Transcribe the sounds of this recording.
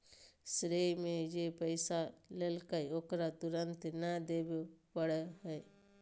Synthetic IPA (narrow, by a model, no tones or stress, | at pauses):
sɾejmẽjepəɪsalelkəjoːkɾat̪ʊɾənt̪nad̪eːbepəɽeɦəj